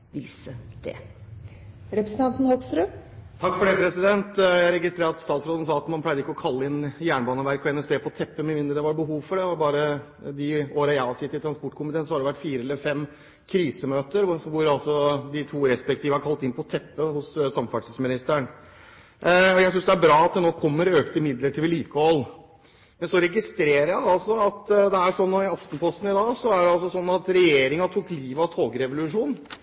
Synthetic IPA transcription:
ʋiːsəd̪̥ɛ̰ | ɾɛpɾəsn̩t̪ɑnt̪n̩hɔksɾʉːt̪ʰɑkːfɔɖɛpʰɾɛsɪd̪ɛnt̪jæɪɾɛɡɪst̪ɾeːɾɑt̪st̪ɑːt̪sɾoːd̪n̩sɑːɑt̪mɑnpʰlæɪd̪əɪkːɔkʰɑlːəɪnjæːɳəbɑːnəʋæɾkɔɛnɛspeːpʰɔt̪ʰɛpːəmmɪnd̪ɾəd̪ɛʋɑɾbəɦuːʋfɔɖɛʋɑɾbɑːɾə | d̪ɪoːɾəjæɑsɪt̪ːɪlt̪ʰɾɑnspɔʈːkʰʊmɪt̪ʰeːnsɔhɑɖɛʋæʈːfiːɾəɛlːəɾfɛm | kʰɾiːsəmøːt̪əɾʋʊɾɑlsɔd̪ɪt̪ʰuːɾɛspɛk̚t̪ʰiːʋəɑɾkʰɑlt̪ɪnpʰɔt̪ʰɛpːəhʊssɑmfɑʈɪsmɪnɪst̪æɳ | ɔjæɪs̬ʏnsd̪ɛæbɾɑːɑt̪̚d̪ɛnoːkʰɔmːəɾøːkt̪əmɪd̪ləʈʰɪʋɪliːkəhɔl | mɛnsɔɾɛɡɪst̪ɾeːɾəjæɪɑlsɔɑt̪d̪ɛæʂɔnːɔɪɑft̪ən̩pʰɔst̪n̩ɪd̪ɑːɡsɔæɖɛɑls̬ɔsɔnːɑt̪ɾɛjeːɾɪŋɑt̪ʰuːkliːʋɑt̪ʰoːɡɾɛʋʊlʉʂuːn

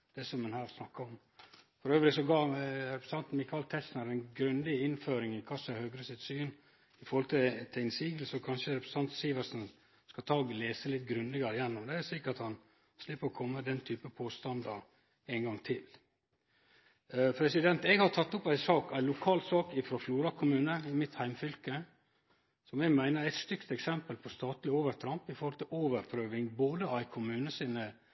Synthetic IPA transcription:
d̪̥ɛsɔmɛnhæːɾsnɑkːəɔm | fɔɾøːʋɾɪsɔɡɑːɾɛpɾəsɑnt̪n̩mɪkʰɑlt̪ʰɛsnəɾæɪnɡɾʉnd̪ɪɪnføːɾɪŋɪkʰɑsːɑhøɡɾəsɪt̪syːn | ɪfɔɾhɔlt̪ʰɪt̪ʰæɪnsiːɡlsɔkʰɑnʂəɾɛpɾəst̪ʰɑnt̪siːʋəɾsn | skɑt̪ʰɑːɡleːsəlɪt̪ːɡɾʉnd̪ɪɡəɾəjɛnːʊmd̪ɛæsliːkɑt̪hɑn | slɪpːəɾɔkʰɔmːəd̪ɛnt̪ʰyːpəpʰoːst̪ɑnd̪ɑ | æɪnɡɑŋt̪ʰɪl | pʰɾɛsɪd̪ɛnt̪ɛɡhɑt̪ʰɑt̪ːʊpæɪsɑːkæɪlʊkʰɑːlsɑːkɪfɾoːfjuːɾɑkʰʊmʉːnəɪmɪt̪hæɪmfʏlkə | sɔmɛɡmæɪnəɾæɪt̪st̪ʏkt̪ɛksɛmpəlpʰɔst̪ɑːt̪lɪoːʋəɾt̪ʰɾɑmpɪfɔɾhɔlt̪ʰɪloːʋəɾpʰɾøːʋɪŋboːd̪əæɪkʰʊmʉːnəsiːnə

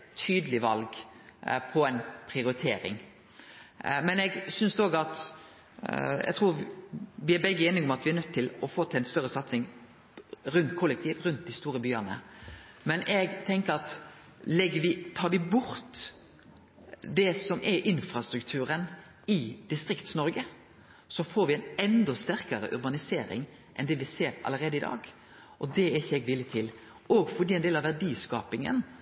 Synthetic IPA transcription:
t̪ʰyːd̪əlɪʋɑlɡ | pʰɔɛnpʰɾɪʊɾɪt̪ʰeːɾɪ̰ŋ | mɛnɛɡsʏnsd̪ɔɡɑt̪ | ɛ̰ɡ̚t̪ʰɾuːɾʋɪæɾbɛɡːəeːnɪɡɔmɑt̪ʋɪæɾnœt̪ʰːɪlɔfoːt̪ʰɛnst̪œɾːəsɑt̪sɪŋ | ɾʉnt̪kʰɔlːəkt̪ʰiːʋɾʉnt̪̚d̪ɪst̪uːɾəbyːənə̰mɛnʔɛɡt̪ʰɛŋkəɾɑt̪ | lɛɡːəʋɪt̪ʰɑːʋɪbʊɾt̪ | d̪ɛsɔmʔɛɾʔɪnfɾɑst̪ɾʉkt̪ʰʉːɾən | ɪd̪ɪst̪ɾɪkt̪snɔɾɡə | sɔfoːɾʋɪæɪnɛnd̪ɔst̪æʁkəɾə̰ʔʉɾbɑnɪseːɾɪ̰ŋ | ʔɛnd̪ɛʋɪseːɾɑ̰ləɾeːd̪əɪd̪ɑ̰ːɡ | ʔɔd̪ɛɛɾɪçːəɛɡʋɪlːjət̪ʰɪl | ʔɔɡfɔd̪iːɛɪnd̪eːlɑʋæɖiːskɑːpɪŋə̰n

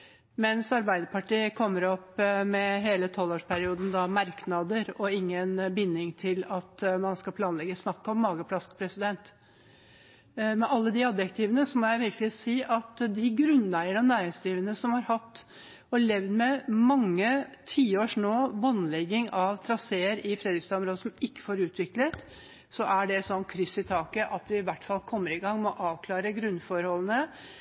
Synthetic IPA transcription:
mɛnsɑɾbæɪd̪əpʰɑʈiːəkʰɔmːəɾɔpmɛɦeːlət̪ʰɔlːoːʂpʰæɾɪuːd̪n̩d̪ɑmɑɾknɑd̪əɾɔɪŋːənbɪnːɪŋt̪ʰɪlɑt̪mɑnskɑpʰlɑːnlɛɡəsnɑkːəɔmːɑːɡəpʰlɑskpʰɾɛsɪd̪ɛnt̪ | mɛʔɑlːəd̪ɪɑb̪jɛk̚t̪ʰɪːʋənəsɔmɔːjæɪʋɪɾkəlɪsiːʔɑt̪d̪ɪɡɾʉnːlæɪəɳɔnæːɾɪŋsd̪ɾiːʋənəsɔmhɑɾhɑt̪ː | ɔɭɛʋd̪mɛmɑŋːət̪ʰiːoːʂnoːʋɔnlɛɡːɪŋɑʋt̪ʰɾɑseːəɾɪfɾɛd̪ɾɪkst̪ɑɔmɾoːd̪əsɔmɪkːə̥foːɾʉːt̪ʰʋɪklət̪ | sɔʔæɖɛsɔnːkʰɾʏsɪt̪ʰɑːkəʔɑt̪ʋɪɪʋæʈːfɑlkʰɔmːəɾɪɡɑŋːmɔʔɑːʋkʰlɑːɾəɡɾʉnːfɔɾhɔlːən̩ə

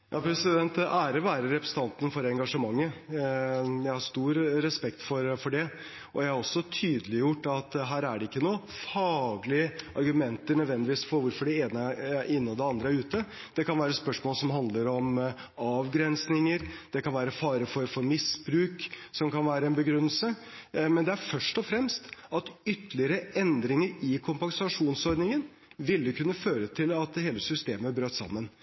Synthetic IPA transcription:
jʔɑːpʰɾɛsɪd̪ɛnt̪æːɾəʋæːɾəɾɛpɾɛsət̪ɑnt̪ənfɔɾɛŋɡɑʂəmɑŋːə | jæɪhɑɾst̪uːɾɾɛspɛkt̪fɔɾfɔɖɛ | ʔɔjæɪhɑɾɔsːɔt̪ʰyːd̪əlɪjʊʈːɑt̪ɦæːɾæɖɛɪkːənuːəfɑːɡlɪəɑɾɡʉmɛnt̪əɾɳœd̪ʋɛnd̪ɪʋiːsfɔɾʋʊɾfɔɖɛeːnəʔɪnːəɔd̪ɛɑnd̪ɾəæɾʉːt̪ə | d̪̥ɛkɑnʋæːɾəspœʂmoːlsɔmɦɑnd̪ləɾɔmɑːʋɡɾɛnsnɪŋəɾd̪̥ɛkɑnʋæːɾəfɑːɾəfɔɾfɔɾmɪsbɾʉːksɔmkɑnʋæːɾəɛnbəɡɾʉnːəlsəmɛnd̪ɛæɾfœʂʈɔfɾɛmst̪ɑt̪ʏt̪ːəlɪəɾəɛnd̪ɾɪŋəɾɪkʰʊmpɑŋsɑʂuːnsɔɾd̪nɪŋən | ʋɪld̪əkʰʉnːəføːɾət̪ʰɪlɑt̪heːləsʏst̪eːməæɾbɾøːt̪sɑ̰mːən

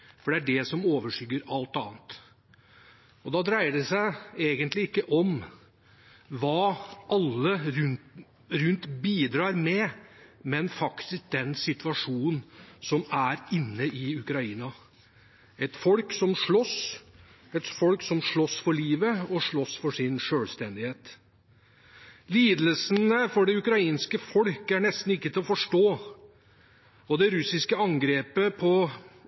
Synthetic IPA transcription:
fɔɖɛæɖɛsɔmoːʋəʂʏɡəɾɑlt̪ɑ̰ːnt̪ | ɔd̪ɑd̪ɾæɪəɖɛsæɪeːɡənt̪lɪɪkːəʔɔm | ʋɑːʔɑlːəɾʉn | ɾʉnt̪biːd̪ɾɑːɾmɛmɛnfɑkt̪ɪsk̚d̪ɛnsɪt̪ʋɑʂuːnn̩sɔmæɾɪnːəʔɪʉkɾɑiːnɑ | ɛt̪fɔlksɔmʂɭɔs | ɛt̪fɔlksɔmʂɭɔsfɔɭiːʋəɔʂɭɔsfɔʂɪnʂøːlst̪ɛnd̪ɪheːt̪ | liːd̪əlsənəfɔɖɛʉkɾɑiːnskəfɔlkəæɳɛst̪n̩ɪkːət̪ʰɪlɔfɔʂʈoː | ɔd̪ɛɾʉsɪskəɑŋɡɾeːpəpʰɔ

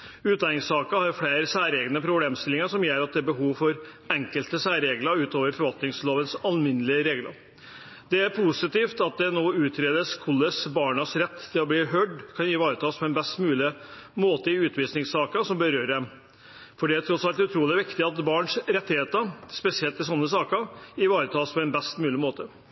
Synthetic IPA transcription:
ʉːt̪d̪ɑnɪŋsɑːkəhɑɾfɽeːɾəsæːɾeːɡnəpʰɾʊbleːmst̪ɪlːɪŋəʂɔmjøːɾɑt̪̚d̪ɛæbəɦuːʋfɔɾ | ɛŋkəlt̪əsæːɾeːɡləɾʉːt̪oːʋəɾfɔɾʋɑlt̪nɪŋsloːʋəsɑlmɪnːəlɪəɾeːɡlə̰ | d̪̥ɛæɾpʰusɪt̪iːft̪ɑt̪̚d̪ɛnoːʉːt̪ʰɾeːd̪əskʰʊlːəsbɑːɳəsɾɛt̪ːʰɪlɔbliːɦøːɖkʰɑnɪʋɑːɾət̪ʰɑːspʰɔɛnbɛst̪mʉːlɪ | moːt̪əɪʉːt̪ʰʋiːsnɪŋsɑːkəsɔmbəɾøːɾəd̪ɛm | fɔɖɛæt̪ʰɾɔt̪sɑlt̪ɛʉt̪ʰɾuːlɪʋɪkt̪ɪɑt̪bɑːɳʂɾɛt̪ːɪheːt̪əɾspɛsɪɛlt̪ːɪls̬ɔnːəsɑːkəɪʋɑːɾət̪ʰɑːspʰɔɛnbɛst̪mʉːlɪmoːt̪ə

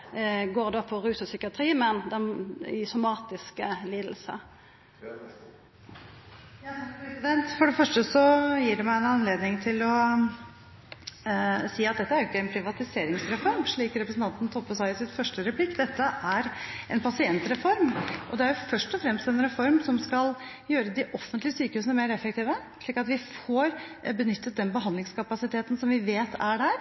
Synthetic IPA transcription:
ɡoːʁd̪oːpʰɔɾʉːsəsʏkɪɑt̪ʰɾiːmɛnd̪ɛnsʊmɑːt̪ɪskəliːd̪l̩sə̰ | sɪd̪ɛnt̪fɔɖɛfœʂʈəsɔjiːɖɛmæɪɛnɑnleːd̪nɪŋt̪ʰɪlɔ | siːɑt̪̚d̪ɛt̪ːəæɾjʊɪkːəɛnpʰɾɪʋɑt̪ɪseːɾɪŋsɾɛfɔɾmʂɭiːkɾɛpɾəsn̩t̪ɑnt̪n̩t̪ʰɔpːəsɑɪɪsɪnfœʂʈəɾɛpʰlɪkːd̪ɛt̪ːəʔæɾʔɛnpʰɑsɪɛnt̪ɾɛfɔɾmʔɔd̪ɛæɾjʊfœʂʈɔfɾɛmst̪ɛnɾɛfɔɾmsɔmskɑl | jøːɾəd̪ɪʔɔfːənt̪lɪəsyːkəhʉːsənəmeːɾɛfːək̚t̪iːʋə | ʂɭiːkɑt̪ʋɪfoːɾbənʏt̪ːət̪̚d̪ɛnbəɦɑnd̪lɪŋskʰɑpɑsɪt̪ʰeːt̪n̩sɔmʋɪʋeːt̪ʰæɖæːɾ

